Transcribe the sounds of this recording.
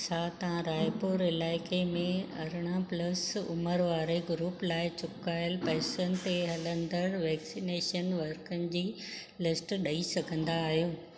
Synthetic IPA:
sat̪ɐʋãɾaːjpʊɾɪlaːɪkemẽɐɾɪɽ̃aplɐsʊ̰məɾʋaːɾeɡɾuːplaːɪt͡ɕʊkaːɪəlpɐːsənɪ̆t̪eɦɐlə̃nd̪əɾʋɛːksineːʃənʋɐɾkənɪ̆d͡ʑiː | lɪsʈɗɐisɐɡʱə̃nd̪aːɦijoː

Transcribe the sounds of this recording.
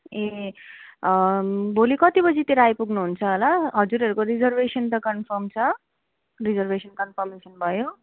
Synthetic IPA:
e | bʱolikʌt̪ibʌd͡zit̪eɾajpuɡnuɦunt͡sʰʌɦʌlaɦʌd͡zuɾɦʌɾukoɾid͡zʌrbesʌnt̪ʌkʌnpʰʌmt͡sʰʌ | rid͡zʌrbʱesʌnkʌnpʰʌrmesʌnbʱʌjo

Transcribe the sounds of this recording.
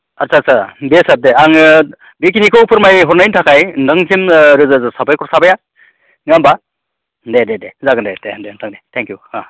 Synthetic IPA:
asʰasʰabesat̚deaŋ | bikinikʰɯwpʰɯɾmajɦɔɾnajntʰakʰajndɯŋsʰimɾɯzɯzɯsabajkʰɔɾsabaja | nɯamba | dededezaɡɯndejdendentʰaŋdejtʰɛŋkjua

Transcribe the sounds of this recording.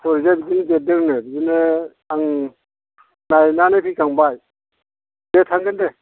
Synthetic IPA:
sʰɔɾizabidind͡ʒedɯŋnɯbizinɯ | aŋ | najnanapʰikʰaŋbaj | detʰaŋɡɯnde

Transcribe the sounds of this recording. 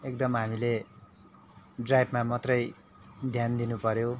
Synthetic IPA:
ek̚d̪ʌmɦamile | ɖrajbʱmamʌt̪rʌj | d̪ʱjand̪inupʌɾjo

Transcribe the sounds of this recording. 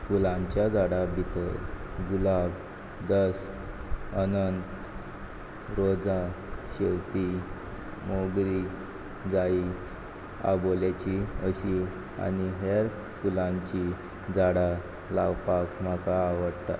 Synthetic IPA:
fulãɲt͡ɕjad͡zaɽabʱit̪əɾɡulab | d̪əs | ənənt̪ | ɾod͡za | ɕewt̪i | moɡɾi | d͡zai | a̰boljat͡ɕiəɕi | a̰niɦeɾ | fulãɲt͡ɕi | d͡zaɽa | lawpakm̤akaːʋəɽt̪a̰

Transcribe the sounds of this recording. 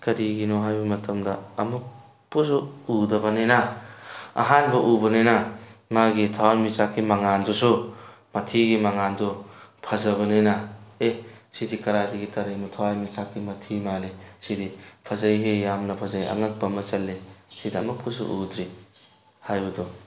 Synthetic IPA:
kɐɾiɡinɔɦajbɐmɐtʰɐmdɐːmuk̚ | pus̬uudɐbɐnenɐ | ɐ̰ɦanbɐʔubɐnenɐmaɡitʰawanmit͡ʃakːimɐŋandusumɐtʰiɡimɐŋandɔpʰɐzɐbɐnenɐesidikɐɾajdiɡitɐɾejmutʰowajmit͡ʃakːimɐtʰimalesidipʰɐzɐjɦejamnɐpʰɐzajɐ̰ŋɐk̚pɐmɐt͡ʃɐlːesidiɐmuk̚pusṵʔud̪ɾi | hajbɐdɔ

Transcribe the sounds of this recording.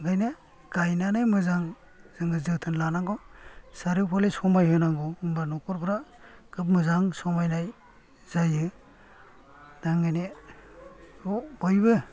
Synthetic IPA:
ɡajne | ɡ̥ajnanajmɯzaŋ | z̥ɯŋɡɯzɯtʰɯnlanaŋɡɔsaɾipʰɔlesɔmajɦɯnaŋɡɔɯmbanɔkɔɾpʰɾa | kʰɯp̚mɯzaŋsɔmajnaj | z̥ajɯ | naŋajne | ɔbɔjbɯ

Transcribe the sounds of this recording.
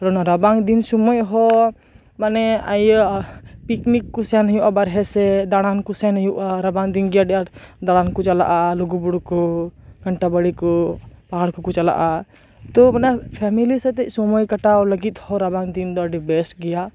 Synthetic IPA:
ɾɔnaɾɐbaŋd̪insumojɦɔ | manɛaj | piknikːusɛnɦjuʔabəɾɦɛsed̪aɽankusɛnjuʔaɾɐbaŋd̪inɡijaɖjad̪aɽ̃ankut͡ʃɐla̰ʔaluɡubuɽkoɡʱəɳʈabəɽikopaɦaɽkukut͡ʃəla̰ʔa | t̪omanɛpʰɛmiliset̪esumojkəʈaləɡit̪hɔɾɐbãŋd̪ind̪ɔɖibesʈɡɛja

